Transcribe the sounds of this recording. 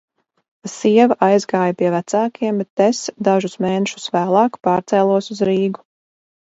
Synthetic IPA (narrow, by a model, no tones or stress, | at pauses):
siɛvaʔajzɡaːjapiɛvæt̪saːkʰiɛmbɛt̪ːesd̪aʒusmeːneʃu̥svæːlˠɑːkpɑːɾt̪sɛːlˠuɔsuzɾiːɡu